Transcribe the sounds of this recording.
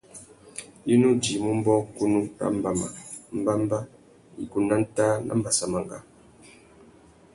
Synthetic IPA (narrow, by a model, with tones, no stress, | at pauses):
i˦nu˦di˨mu˦m̩˦bɔ˦ku˦nu˦ɾa̰˦m̩˦ba˨ma̰˨m̩˦ba˦m˦ba˦ | i˨ku˨na˦n̩˦ta˦nʔa̰˦m̩˦ba˨sa˨ma˨ŋ˨ɡa̰˦